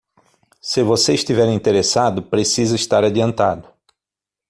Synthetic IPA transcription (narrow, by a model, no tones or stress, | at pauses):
sɪvoseiʃt̪ivɛɾĩnt̪eɾesad̪ʊpɾesizɐɪst̪aɾad͡ʒiɐ̃nt̪ad̪ʊ